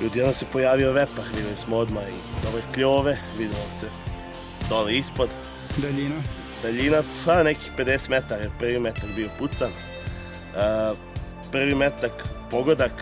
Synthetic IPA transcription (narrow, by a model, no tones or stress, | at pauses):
ud̪ied̪ose̞pojaːʋioʋepaxɾiʋalismood̪maid̪obɾekʎoːʋeʋid̪ilose | d̪oliispod̪ | d̪aʎiːna | d̪aʎinasaneki̥xped̪ese̥t̪met̪aɾajepr̩ʋimet̪akbioput̪san | pr̩ʋimet̪akpoɡod̪ak